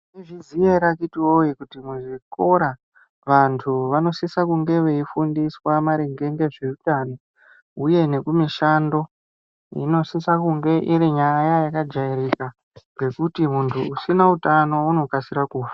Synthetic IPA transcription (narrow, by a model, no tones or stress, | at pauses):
iʐizijeɾakitiwoikutimuʐiko̞ɾa | ʋantʰuʋano̞sisakuŋɡe̞ʋeifundiswamaɾeŋɡe̞ŋɡe̞ʐeutaːno | uje̞ne̞kumiʃando̞ | ḭno̞sisakuŋɡe̞ʔiɾeɲajajakad͡ʒaiɾika | ŋɡe̞kutimuntʰuusinautano̞uno̞kasiɾakuːfa